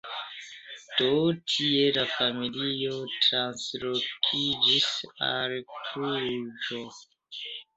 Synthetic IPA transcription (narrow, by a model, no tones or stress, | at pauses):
d̥otʰielafamilio̞tɾanslokʰid͡ʒisa̰lpʰɾud͡ʒo